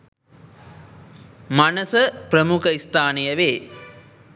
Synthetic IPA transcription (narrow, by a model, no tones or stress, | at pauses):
manəsəpɾəmukʰəist̪aːnejəʋeː